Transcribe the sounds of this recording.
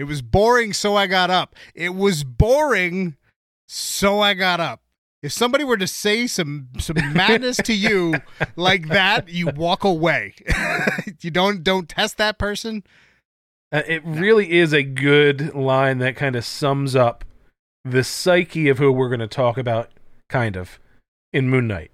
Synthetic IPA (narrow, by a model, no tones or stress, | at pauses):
ɨt̚wʌzbɔɹɪ̃ŋsoʊaɪɡɑɾʌpʔɪt̚wʌzbɔɹɪ̃ŋ | soʊaɪɡɑɾʌp̚ | ɨfsʌ̃mbɑɾiwə˞ɾɨseɪsʌ̃msʌ̃mmːædⁿnɨstʰɨjɨlaɪk̚ðɨtɨwɔkəweɪ | jɨdõʊ̃nd̥õʊ̃ntʰɛst̪̚ðɨt̚pʰɜ˞sɨ̃n | ʌʔɪt̚ɹɪlˠiɪzɨɡʊdlãɪ̃nðɨt̚kʰãɪ̃ndɨ̥sʌ̃mzʌp̚ | ðɨsaɪkʰiʌv̥hʉwɪɹɡʌnɨtʰɔkɨbaʊɾ̚kʰãɪ̃ndʌv̥ | ɨ̃nmʉ̃nːa̰ɪt̚